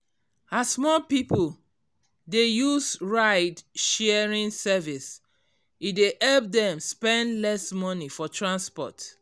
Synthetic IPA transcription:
asmɔlpipol | dejusɹaɪdʃɛɹĩnsɛvis | idehɛlp̚dɛ̃mspɛ̃ndlɛsmɔnifɔtʰɹãnspɔ̰t

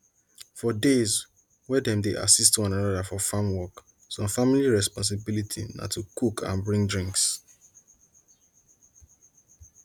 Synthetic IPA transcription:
fɔdez | wɛdɛ̃mdeʔa̰sistwɔ̃nãnɔdafɔfamwɔk | sɔ̃mfamiliɹɛspɔ̃ns̬ɪbilitʰḭna̰tʰukukʰã̰nbɹĩŋɡdɹĩŋks

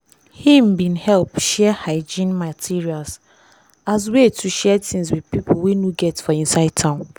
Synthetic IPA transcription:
hĩm̩bĩnhɛlpʃɛhaɪd͡ʒĩnmatʰiɹials | az̬wetʰuʃɛtĩnswidpipʰʊwenuɡɛtfɔĩnsaɪd̚tʰãʊ̃n

